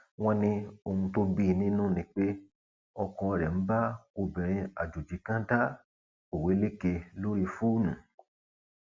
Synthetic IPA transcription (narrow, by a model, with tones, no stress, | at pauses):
w̃ɔ̃˧nĩ˧o˧hũ˧to˧bi˦˨nĩ˦nũ˦˨nĩ˧k͡pe˦ | ɔ˧kɔ̃˧ɾɛ˨m̩˦ba˦o˧bĩ˨ɾ̃ĩ˧a˨d͡ʒo˨d͡ʒi˨˦kã˦ta˦ | o˨we˨˦le˦ke˧lo˦ɾi˧fu˦˨nũ˨